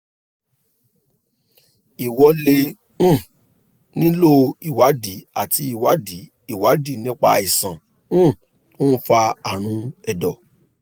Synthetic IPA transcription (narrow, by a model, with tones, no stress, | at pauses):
i˨wɔ˧˦lẽ˧˦˨ | nĩ˦lo˦i˨wa˨˦di˨˦a˦˨tʰi˧˦i˦˨wa˨˦di˨˦ | i˦˨wa˨˦di˦˨nĩ˦k͡pa̰˧i˨sã˨˦˨ | o˦fa˧a˨ɾ̃ũ˨˦ɛ˨dɔ˨